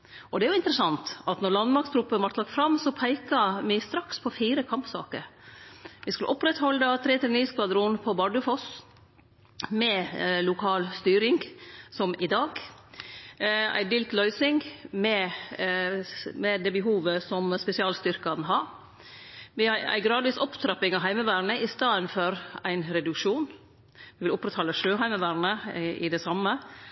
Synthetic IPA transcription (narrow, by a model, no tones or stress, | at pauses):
ɔd̪ɛæɾjʊɪnt̪əɾəsɑnt̪ɑt̪nɔɾɭɑnd̪mɑɾkst̪ʰɾʉpːənʋɑɾʈ̪lɑkt̪fɾɑmːsɔpʰæɪkɑmɪst̪ɾɑkspʰɔfiːɾəkʰɑmpsɑ̰ːkə̰ɾ | ʋɪskʉləʔɔpːɾɛt̪hɔlːət̪ʰɾeːt̪ʰɪlɛniːskʋɑd̪ɾʊnpʰɔbɑɖʉfɔs | mɛlʊkʰɑːlst̪yːɾɪŋɡsɔmɪd̪ɑːɡ | æ̰ɪd̪iːlt̪lœʏsɪŋmɛ | mɛd̪ɛbəɦuːʋəsɔmspɛsɪɑːlst̪ʏɾkɑnɦɑɾ | ʋɪɑæ̰ɪɡɾɑːd̪ʋiːsɔpt̪ʰɾɑpɪŋɑɦæɪməʋæːɾɳəʔɪst̪ɑːd̪ənfɔɾæɪnɾɛd̪ʉkʂuːn | ʋɪʋɪlʊpːɾɛt̪hɑːləʂøːɦæɪməʋæːɾɳəɪ̰d̪ɛsɑmːə